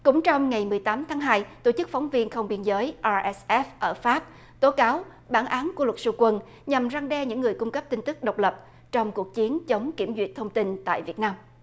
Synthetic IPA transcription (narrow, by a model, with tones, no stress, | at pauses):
kʊ̰˧˥ŋ͡mt͡ɕɔ˧wŋ͡mŋa˨˩jmɨ˨˩əjt̪aː˨˦mt̪ʰaː˨˦ŋɦaː˧jt̪o˧˩t͡ɕɨ˦˥k̚fɔ˨˦wŋ͡mvi˧ənxə˧wŋ͡mɓi˧ənzəː˨˦jʔaː˧ʔɛ˦sʔɛ˦˥fʔəː˧˩faː˦˥p̚ | t̪o˨˦kaː˨˦w | ɓaː˧˩nʔaː˨˦nkəlwə˨˩t̚su˧˩kwə˨˩n | ɲa˨˩mza˧ŋɗɛ˧ɲɨ̰˧˥ŋːɨ˨˩əjkʊ˧ŋ͡mkə˦˥p̚t̪i˧ŋ̟t̪ɨ˦˥k̚ɗə˨˩wk͡p̚lə˨˩p̚ | t͡ɕɔ˧wŋ͡mku˨˩ək̚t͡ɕi˨˦ənt͡ɕə˨˦wŋ͡mki˧˩əmzḭ˧˨ət̚t̪ʰə˧wŋ͡mt̪i˧nt̪a̰ː˧˨jvi˨˩ət̚naː˧m